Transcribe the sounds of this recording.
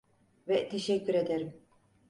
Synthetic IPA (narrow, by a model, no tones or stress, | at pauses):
vɛt̪ʰɛʃɛkʲːyɾed̪ɛɾim